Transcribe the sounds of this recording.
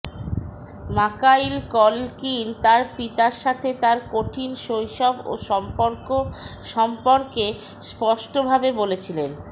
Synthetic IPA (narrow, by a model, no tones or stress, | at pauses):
makajlkɔlkint̪aɾpit̪aɾʃat̪ʰet̪aɾkoʈʰinʃojʃɔbo̰ʃɔmpoɾkoʃɔmpoɾkespɔʃʈobʱabebolet͡ɕʰilen